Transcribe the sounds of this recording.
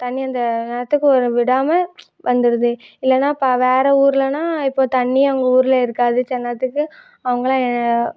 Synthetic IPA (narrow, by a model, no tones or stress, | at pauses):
t̪ɐɳːiɐnd̪ɐnɐɐt̪ːɯkːɯɔɾɯʋɪɽaːmɐ | ʋʔɐnd̪ɯɾɯðɯɪlːɛnːaːɪpːaːʋeːɾɛuːɾɪlɐnãːɪpːoːt̪ɐɳːiɐʋɐŋɡɐuːɾɪlɐɪɾɯkːaːðɯt͡ʃɛnːɐt̪ːɯkːɯ | ɐʋɐŋɡɐɭãːɛnː